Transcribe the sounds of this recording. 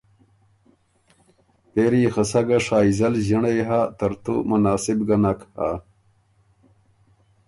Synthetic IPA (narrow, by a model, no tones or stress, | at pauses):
peɾiːxɐsɐɡɐʂaːizɐlʑɐɳejɦat̪ɐɾt̪ṵmɐnaːsibɡɐnɐkha̰